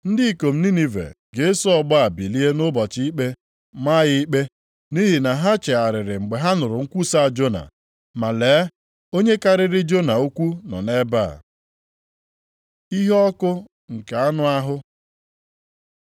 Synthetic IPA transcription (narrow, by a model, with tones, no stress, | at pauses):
n̩˦dɪ˦i˨ko˨m̩˦ni˦ni˨vḛ˨ | ɡe˨˦sɔ˦ɔ˦ɡ͡ba˦a˨bi˨li˦e˦nʊ˦bɔ˨t͡ʃɪ˦i˦k͡pe˦ | ma˦jɪ˦i˦k͡pe˦ | ni˦ɦi˨na˨ɦa˦t͡ʃe˨a˨ɾɪ˨ɾɪ˨ŋ͡m̩˨ɡ͡be˨ɦa˦nʊ˨ɾʊ˨ŋ̩˦kʷu˦sa˦a˨d͡ʒo˦na̰˨ | ma˨leː˨˦ | o˦ɲe˦ka˦ɾɪ˨ɾɪ˦d͡ʒo˦na˨u˦kʷu˦nɔ̰˨ne˦ba̰˦˨ | i˦ɦɔ˦kʊ˦ | ŋ̩˨ka˨a˦nʊ˦a˦ɦʊ˦